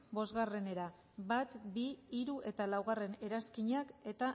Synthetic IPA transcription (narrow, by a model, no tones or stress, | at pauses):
bo̞zɣare̞ne̞ɾa | bat̪biːɾuʔe̞t̪alawɣ̞are̞ne̞ɾaskiɲake̞t̪a